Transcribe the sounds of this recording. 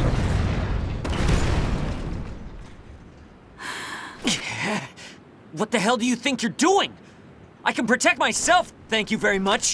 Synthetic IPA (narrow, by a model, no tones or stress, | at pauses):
wʌt̪̚ðɨɦɛlˠdɨjɨθɪ̃ŋkjə˞duɪ̃ŋ | ʔaɪkɨ̃n̩pʰɹ̥ɨtʰɛk̚t̚maɪsɛlˠfθæ̃ŋkjɨvɛɹimʌt͡ʃ